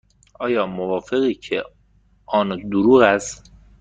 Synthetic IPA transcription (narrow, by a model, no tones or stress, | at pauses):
ʔɒːjɒːmovɒːfe̞ɣiːcʰe | ʔɒːnd̪oɾuːɣæst̪